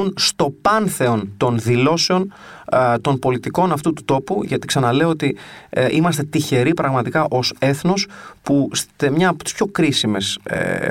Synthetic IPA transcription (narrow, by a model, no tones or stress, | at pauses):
unst̪o̞pɐnθe̞o̞nt̪o̞nðilo̞seo̞n | t̪o̞npo̞lit̪iko̞nɐft̪ut̪u̥t̪o̞puʝɐt̪i̥ksɐnɐle̞oot̪iʔimɐst̪e̞t̪içe̞ɾipɾɐɣmɐt̪ikɐʔo̞se̞θno̞spust̪emɲɐːpot̪i̥spço̞kɾisime̞sḛ